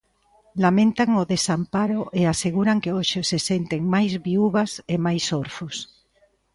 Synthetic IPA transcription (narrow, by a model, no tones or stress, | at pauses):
lamẽnt̪aŋoðesampaɾoʔeaseɣuɾaŋkeoʃesesent̪eŋmajzβiuβasemajsoɾfos